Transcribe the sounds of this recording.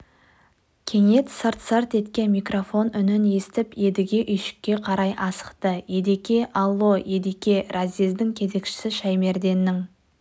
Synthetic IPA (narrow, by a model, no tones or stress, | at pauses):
kʲʰe̞ŋe̞t̪səɾt̪sərt̪e̞t̪kʲe̞nmijkro̞fo̞nʏnɪne̞sɪt̪ɪpje̞d̪ɪɡʲe̞ʔʏjʃɪ̥kʲːe̞qʰɑɾɑjʔɑsə̥qt̪əje̞d̪ekʲe̞ʔɑlˠːo̞je̞d̪ekʲe̞razʲizd̪ɪŋkʲʰe̞ze̞kʃɪ̥sɪʃajme̞ɾd̪e̞nːɪŋ